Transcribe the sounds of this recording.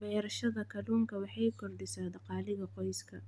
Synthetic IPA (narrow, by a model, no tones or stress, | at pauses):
bɛjɾɐʃɐðɐkʰɐluːŋkʰɐwɑħɑjkʰɔrd̪ɪsaːd̪ɑqɑːlɪɣɐqɔjskʰɐ